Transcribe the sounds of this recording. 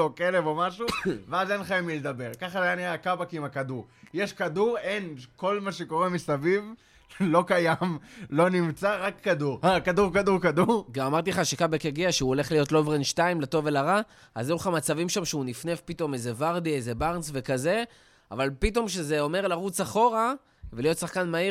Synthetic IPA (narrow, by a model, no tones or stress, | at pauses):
okelevo̞maʃuveazenχaimiled̪abe̞ʁkaχazajaniakabakiimakaduʁjeʃkaduʁe̞nko̞lmaʃeko̞ʁemisaviv | lo̞kajamlo̞nimt͡saʁakːaduʁakaduʁkaduʁkaduʁɡamamaʁt̪̬ileχaʃekabakeɡiaʃeuole̞χlijo̞tlovʁenʃtaimleto̞velaʁa | azeuχamat͡savimʃamʃeunifnefpito̞mezevaʁd̪ieze̞baʁnsve̞kaze̞ | a̰valpito̞mʃe̞ze̞o̞me̞ʁlaʁut͡saχo̞ʁa | velijo̞t̪saχkanmai